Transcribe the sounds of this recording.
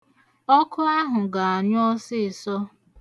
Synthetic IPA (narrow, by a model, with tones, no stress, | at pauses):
ɔ˦kʊ˦a˦ɦʊ˨ɡa˨a˨ɲ˦ɔ˦sɪ˦˨sɔ˦